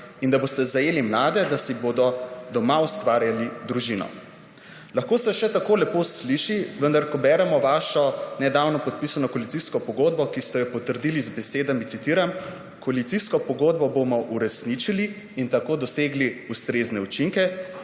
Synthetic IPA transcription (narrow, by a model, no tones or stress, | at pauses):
ind̪abost̪ɛzajelimlaːd̪ɛd̪asibod̪ɔd̪ɔmaust̪ʋaːɾjalid̪ɾuʒinɔ̰ | lɐxkoːsɛʃɛt̪akoːlɛposliʃiʋənd̪aɾkɔbɛːɾɛmɔʋaːʃɔnɛd̪awnɔpɔt̪̚pisanɔkɔalit̪siskɔpɔɡoːd̪̚bɔkist̪ɛjɛpɔt̪əɾd̪ilizbɛseːd̪amiit̪iːɾam | kɔalit̪siskɔpɔɡoːd̪̚bɔbomɔʔuɾɛsnit͡ʃiliː | nt̪akod̪ɔseːɡliust̪ɾeznɛut͡ʃiŋkɛ